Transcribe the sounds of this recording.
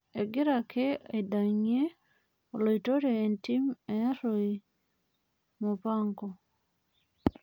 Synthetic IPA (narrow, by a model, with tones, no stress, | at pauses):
e˨ɡɪ˦ɾa˨ke˦e˨da˨ɲe˦ | o˨lo˨ito˦ɾeː˨nti˦meja˦ɾoi | mo˨pa˦ŋɡo˨